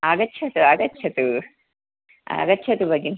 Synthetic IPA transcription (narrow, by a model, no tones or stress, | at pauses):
aːɡɐtːt͡ʃʰɐt̪uɐɡɐtːt͡ʃʰɐt̪u | ɐ̰ɡɐtːt͡ʃʰɐt̪ubɐɡin